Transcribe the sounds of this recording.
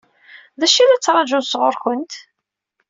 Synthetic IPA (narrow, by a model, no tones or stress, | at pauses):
ðæʃilæt͡sːɾˤɑd͡ʒusʁʊɾxənt̪